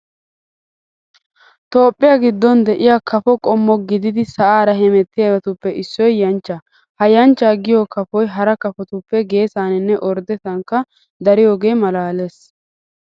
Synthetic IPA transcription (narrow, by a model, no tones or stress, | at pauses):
t̪o̞ːpʼːɪjaːɡɪd̪ːɔnd̪ɛʔɪjakɐfɔkʼɔmːɔɡɪd̪ɪd̪ɪsɐʔaːɾɐɦɛmɛt̪ːɪjɐɡɐt̪ʊpːɛʔɪsːɔjːɐnt͡ʃːa | hɐjɐnt͡ʃːaːɡɪjokɐfɔjɦɐɾɐkɐfɔt̪ʊpːɛɡe̞ːsaːnɪnːɛʔɔɾd̪ɛt̪ɐŋkːɐ | d̪ɐɾɪjo̞ːɡe̞ːmɐlaːleːs